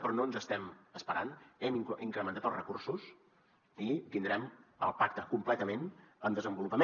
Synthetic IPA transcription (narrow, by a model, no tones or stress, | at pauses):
pɾɔnonzəst̪ɛməspəɾa̰nɛmiiŋkɾəmənt̪at̪əlˠrəkursus | it̪ind̪ɾɛmə̰lˠpak̚t̪əkumplɛt̪əmenəmd̪əzəmbulupəme